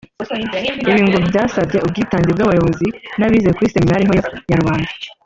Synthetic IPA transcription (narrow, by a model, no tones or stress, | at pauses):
iβiːŋɡubɟaːsabɟe̞ub̚ɡiːtaːɲɟebɡaβajo̞βo̞zinaβiːzekwisemɲaɾihojojaɾuβaːnda